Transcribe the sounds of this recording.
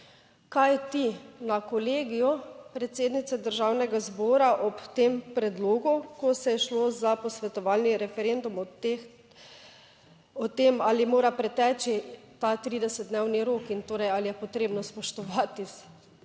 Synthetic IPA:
kajt̪inakɔleːɡijɔpɾɛt̪seːd̪nit̪sɛd̪əɾʒawnɛɡazbɔːɾaʔɔpt̪empɾɛd̪loːɡukɔsɛjɛʃlozapɔsʋɛt̪ɔʋalniɾɛfɛɾend̪um | ɔt̪emalimoːɾapɾɛt̪ɛːt͡ʃit̪at̪ɾiːd̪ɛsɛd̪̚d̪neːwniɾoːkint̪oːɾɛjalijɛpɔt̪ɾeːbnɔspɔʃt̪ɔʋaːt̪is

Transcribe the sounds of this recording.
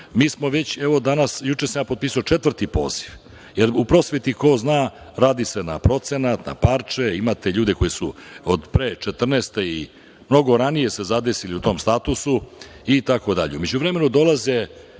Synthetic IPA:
miːsmo̞ʋe̞t͡ɕeʋo̞d̪anasjut͡ʃesamjapo̞d̪̚piːsuot͡ʃet̪ʋr̩t̪ipo̞̰ːz̥iʋ | jeɾupɾo̞sʋet̪iko̞znaː | ɾaːd̪ise̞na̰pɾo̞t̪se̞nat̪na̰paɾt͡ʂeimat̪e̞ʎuːd̪e̞ko̞jesuod̪pɾeːt͡ʃet̪r̩nest̪ei | mno̞ɡo̞ɾanije̞se̞zad̪e̞siliut̪o̞ːmst̪at̪usu | it̪ako̞d̪aʎeume̞d͡ʑuʋɾeme̞nud̪o̞lˠaze

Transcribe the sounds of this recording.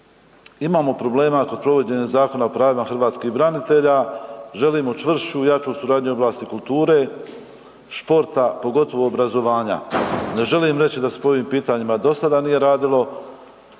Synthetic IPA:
imaːmo̞pɾo̞ble̞ːmako̞d̪pɾo̞ʋo̞d͡ʑe̞ɲezaːko̞naopɾaːʋimaxr̩ʋaːt̪skiːbɾanit̪e̞ʎaːʒe̞liːmot͡ʃʋr̩sujat͡ʃosuɾaːd̪ɲuo̞blˠaːst̪ikulˠt̪uːɾe̞ː | ʃpo̞ɾt̪apo̞ɡo̞t̪o̞ʋo̞ːbɾazo̞ʋaːɲa̰ne̞ʒe̞limɾe̞t͡ɕid̪ase̥poo̞ʋiːmpiːt̪aɲimad̪o̞sad̪anije̞ɾaːd̪ilo̞

